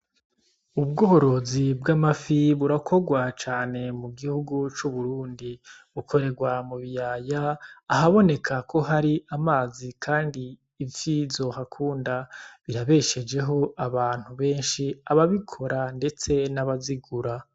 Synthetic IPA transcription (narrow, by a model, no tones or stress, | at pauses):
ubɡoːɾo̞zibɡamafiβuɾakʰo̞ɡwat͡ʃaːne̞muɡihuɡut͡ʃuβuɾuːndiβukʰo̞ɾe̞ɡwamuβijaːjaːɦaβo̞ne̞kʰakʰo̞ɦaɾiamaːzikʰaːndiː | vjizo̞hakʰuːndaβiɾaβe̞ʃe̞d͡ʒe̞ɦo̞aβaːn̥huβe̞ːnʃiaβaβikʰo̞ɾande̞t͡se̞naβaziɡuɾa